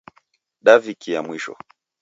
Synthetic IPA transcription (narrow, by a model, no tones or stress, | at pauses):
ɗavikijamwiʃɔ̰